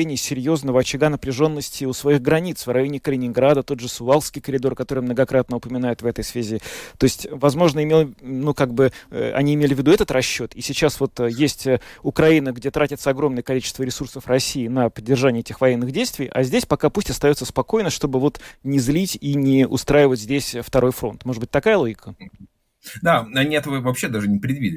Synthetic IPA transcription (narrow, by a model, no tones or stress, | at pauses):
enʲɪjəsʲɪɾʲjo̞znəvəɐt͡ɕɪɡanəpɾʲɪʐo̞nːəsʲtʲɪʊsvɐiɣɡɾɐnʲit̪svɾɐjonʲɪkəlʲɪnʲɪnɡɾad̪ət̪o̞d̪ʐɨsʊalˠskʲɪjkəɾʲɪd̪o̞rkɐt̪o̞ɾɨjmnəɡɐkɾat̪̚nəʊpəmʲɪnajɪt̪vɛt̪əjsvʲɛzʲɪt̪o̞ɪsʲtʲvɐzmo̞ʐnəɪmʲelˠnukaɡ̚bɨ̰ɐ̰nʲiɪmʲelʲɪvʲːɪd̪uɛt̪ət̪ɾɐɕːo̞t̪isʲɪt͡ɕasvo̞t̪jesʲtʲəʊkɾɐinəɡdʲe̞t̪ɾatʲɪt̪səɐɡɾo̞mnəjəkɐlʲit͡ɕɪ̥st̪vəɾʲɪsursəfrɐsʲiːnəpədʲːɪrʐanʲɪɛtʲɪxvɐjenːɨɣdʲejst̪vʲɪjʔɐ̰zʲdʲesʲpɐkapusʲtʲɐst̪ɐjo̞t̪səspɐkojnəʂt̪o̞bɨvo̞t̪nʲɪzlʲitʲinʲɪʊ̰st̪ɾajɪvətʲzʲdʲesʲft̪ɐɾʔo̞jfɾo̞̰nt̪moʐɨd̪bɨ̥ɪtʲt̪ɐkajəlˠo̞ɡʲɪkʰə | d̪aɐnʲiɛt̪əvəvɐpɕːed̪aʐɨnʲɪpɾʲɪd̪vʲidʲɪ